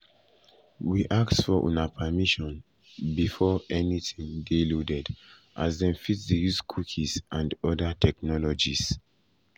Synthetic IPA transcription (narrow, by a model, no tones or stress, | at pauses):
wiʔaktsfɔʔṵ̃napʰəmiʃɔ̃n | bifɔɛnitĩŋdiludɛd | ʔazdɛ̃nfitsdəjuskʰukʰisʔãndɔdatʰɛknɔlɔd͡ʒis